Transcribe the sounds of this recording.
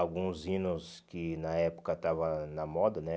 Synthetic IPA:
awɡũzĩnʊskɪnɐɛpo̥kɐt̪avɐ̃nɐmɔd̪ɐnɛ

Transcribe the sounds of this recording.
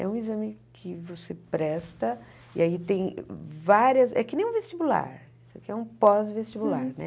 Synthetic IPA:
ɛ̰ũizɐ̃mɪkʰɪvosepɾɛst̪ɐ | ḭait̪ẽj̃vaɾiɐsɛ̰kɪnẽj̃ũvest͡ʃibula̰ɾ | isʊakiɛũpɔzvest͡ʃibulaɾnɛ̰

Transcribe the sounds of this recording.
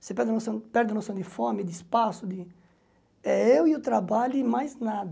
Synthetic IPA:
sepɛɾd̪nsɐ̃pɛɾd̪ɐnosɐ̃w̃d̪ɪfõmɪd̪ɪspasʊd̪ɪ | ɛewiʊt̪ɾabaʎʊmajznad̪

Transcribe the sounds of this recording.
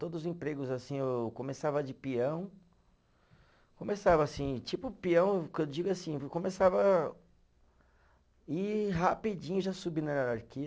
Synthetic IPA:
t̪od̪ʊzʊzẽpɾeɡʊzasĩewkõmesavɐd͡ʒɪpiɐ̃w̃ | kõmesavɐːsĩt͡ʃipʊpiɐ̃w̃k̪d͡ʒiɡʊasĩkõmesavɐ | iɦapid͡ʒĩɲʊʒasubinɐaɾaɾki

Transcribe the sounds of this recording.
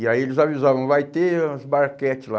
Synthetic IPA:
ɪaielɪzavizavɐ̃w̃vajt̪euzbaɾkɛt͡ʃɪla

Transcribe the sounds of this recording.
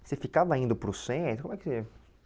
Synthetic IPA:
sefikavaĩnd̪ʊpɾʊsẽt̪ɾkomʊɛkɪse

